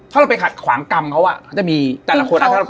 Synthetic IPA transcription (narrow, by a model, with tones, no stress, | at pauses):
aː˥˩ɾa˧wpa˧jkʰa˨˩t̪̚kʰwa̰ː˩˦ŋka˧mkʰa˦˥wʔa̰˨˩kʰa˦˥˩t͡ɕa˨˩ʔmiː˧t̪ːla˧˩ko˧ʔa˦˩˧